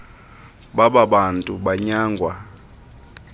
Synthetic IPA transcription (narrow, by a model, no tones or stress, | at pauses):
ɓaɓaɓantʼuɓaɲaːŋɡʱwa